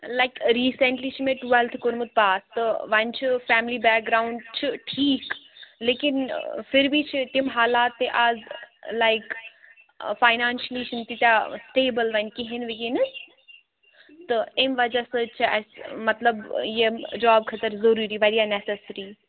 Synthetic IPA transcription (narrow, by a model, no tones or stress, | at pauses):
laɪkɾiːseɳʈliːt͡ʃʰimẽʈuelt̪ʰkoɾmɨt̪̚paːst̪ɨʋɐnʲt͡ʃʰifɛːmlibɛːk̚ɡɾaːʊɳɖt͡ʃʰiʈʰiːkleːkinfiɾbʱit͡ʃʰit̪imɦaːlaːt̪ːeʔazlajk | faɪnaːnʃlit͡ʃʰint̪it̪ʲasʈeːbəlʋɐnkiɦenʋikenɨs | t̪ɨemʋɐd͡ʒasəːt͡ʃʰɛsmɐt̪lɐbjed͡ʒaːb̚kʰɐt̪əɾzɐɾuːɾiːʋɐɾijanesesɾi